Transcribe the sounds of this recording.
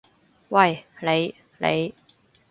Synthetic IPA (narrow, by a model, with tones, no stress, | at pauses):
wa˥˩jle˨˧˥j | lḛ˨˧˥j